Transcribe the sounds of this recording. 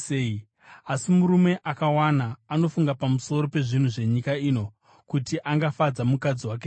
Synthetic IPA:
ei | asimuɾume̞ʔakawanaːno̞fuŋɡapamuso̞ɾo̞pe̞ʐin̤uʐe̞ɲikaiːno̞ | kutiʔaŋɡafad͡zamukad͡ziwak̬e

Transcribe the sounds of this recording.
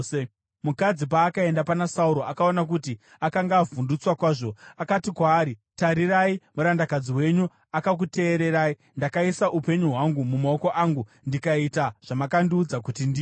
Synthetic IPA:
mukad͡zip̬aːkae̞ndapanasauɾo̞akaonak̬uti | akaŋɡaːvundut͡swakwaːʐoakatikwaːɾitaɾiraimuɾandakad͡ziwe̞ɲu | akak̬ute̞ːɾe̞ɾai | ndakaisaʔupe̞ɲuɦwaŋɡumumao̞ko̞ʔaŋɡu | ndikaitaʐ̥amakandiːd͡zak̬utindi

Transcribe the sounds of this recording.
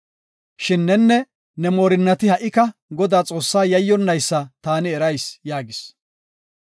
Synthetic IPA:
ʃɪnːɛnːɛ | nɛmoːɾɪnːɐt̪ɪhɐʔɪkɐɡɔd̪aːt͡sʼo̞ːsːaːjɐjːɔnːɐjsːɐt̪aːnɪɛɾɐjsjaːɡɪs

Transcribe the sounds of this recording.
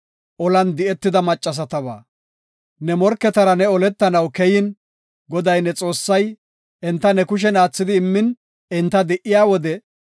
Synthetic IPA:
ʔɔlɐnd̪ɪɛt̪ːɪd̪ɐmɐt͡ʃʼːɐs̬ɐt̪ɐβa̰ː | nɛmɔɾkːɛt̪ɐɾɐnɛɔlɛt̪ːɐnɐwkɛjɪn | ɡɔd̪ɐjnɛt͡sʼo̞ːsːɐj | ɛnt̪ːɐnɛkʊʃ̬ɛnaːt͡sːɪd̪ɪːmːɪn | ɛnt̪ːɐd̪ɛʔɪjaːwɔd̪ɛ

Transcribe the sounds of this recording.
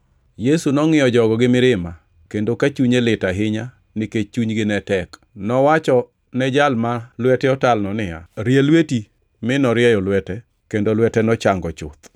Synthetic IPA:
jesunɔŋɪɔd͡ʒɔɡɔɡɪmɪɾɪma | kendokat͡ʃuɲelɪtaɦɪɲa | nɪket͡ʃuɲɡɪnɛtɛk | nɔwat͡ʃɔ | nɛd͡ʒalmalwɛtɛɔtalnɔnɪja̰ɾjelweti | mɪnɔɾjɛjɔlwɛtɛ | kendolwɛtɛnɔt͡ʃaŋɡɔt͡ʃʊ̰t̪

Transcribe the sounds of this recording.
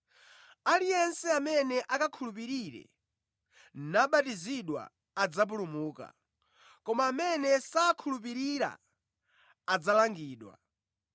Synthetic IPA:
alijɛnsɛamɛnɛʔakakʰulup̬iɾiɾɛ̰ | naɓatiziɗwa̰ | ad͡zap̬ulumuːka̰ | kɔmaːmɛnɛsakʰulup̬iɾiɾa̰ | d͡zalaŋɡiːɗwa̰

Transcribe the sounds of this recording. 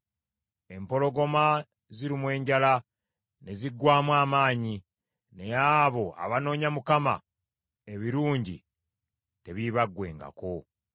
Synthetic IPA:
e̞mpo̞lo̞ɡo̞ma | ziɾimwe̞ːɲɟala | ne̞ziɡwaːmwaːmaːɲi | ne̞jaβo̞a̰βano̞ːɲamukama̰ | e̞βiɾuːɲɟḭ | te̞βiβaɡːwe̞̰ːŋɡa̰ko̞

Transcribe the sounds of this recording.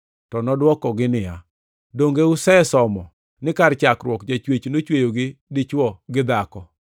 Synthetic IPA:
tɔnɔdwɔkɔɡɪnɪja | doŋɡeusɛsɔmɔ | nɪkart͡ʃakɾwɔkd͡ʒat͡ʃwet͡ʃnot͡ʃwejoɡɪdɪt͡ʃwɔɡɪd̪akɔ

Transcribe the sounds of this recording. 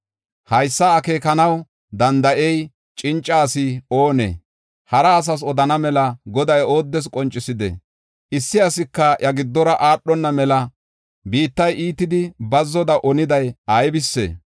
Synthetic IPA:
hɐjsːɐːke̞ːkɐnɐw | d̪ɐnd̪ɐʔɛj | t͡ʃʼɪnt͡ʃʼːaːsɪo̞ːnḛː | hɐɾɐːs̬ɐs̬ɔd̪ɐnɐmɛlɐɡɔd̪ɐjo̞ːd̪ːɛs̬kʼɔnt͡ʃʼːɪsɪd̪ɛ̰ | ʔɪsːɪɐsɪkːɐʔɐɡɪd̪ːɔɾɐʔaːɗːɔnːɐmɛlɐ | biːt̪ːɐjʔiːt̪ːɪd̪ɪbɐzːɔd̪ɐʔɔnɪd̪ɐjɐjbɪsːḛː

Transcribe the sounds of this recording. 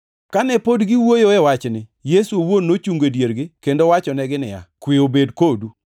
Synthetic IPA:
kanɛpodɡɪwojoɛwat͡ʃnɪjesuowonːot͡ʃuŋɡedjeɾɡɪkendowat͡ʃɔnɛɡɪnɪja̰kwiobedkodu

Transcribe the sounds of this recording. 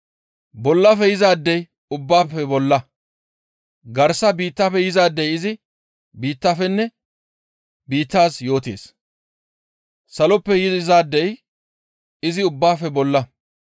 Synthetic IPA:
bɔlːɐfɛjɪzaːd̪ːɛj | ʊbːaːfɛbɔlːɐ | ɡɐɾsɐbiːt̪ːafɛjɪzaːd̪ːɛjɪzɪ | biːt̪ːaːfɛnːɛ | biːt̪ːaːsjo̞ːt̪ḛːs | sɐlɔpːɛjɪɪzaːd̪ːɛj | ɪzɪʊbːaːfɛbɔlːɐ

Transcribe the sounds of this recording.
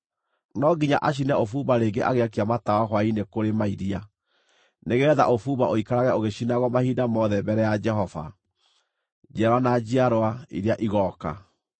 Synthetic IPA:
nɔɡiɲa̰ʔaɕ̬inɛofuβaɾeɡeʔa̰ɣeak̬iamatawaɦwainekoɾemaiɾia | neɣɛða̰ʔofuːβaʔoikaɾaɣɛoɣeɕinaɣɔmahiːdamɔðɛbɛɾɛjad͡ʒɛɦɔva̰ | d͡ʒaɾwanad͡ʑiaɾwaḭɾeaʔiɣɔːka̰

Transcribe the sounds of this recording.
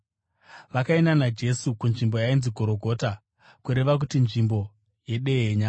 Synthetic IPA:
ʋakaenanad͡ʒe̞sukunʐimbo̞jainziɡʱo̞ɾo̞ɡʱo̞ːta | kuɾe̞ʋak̬utinʐimbo̞ | je̞ɗe̞eɲaː

